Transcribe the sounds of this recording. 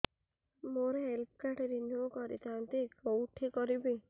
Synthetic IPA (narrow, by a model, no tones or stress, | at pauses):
moɾeɦelp̚ʰkaʈeɾinjokɔɾḭt̪ant̪ikowʈʰikɔɾibi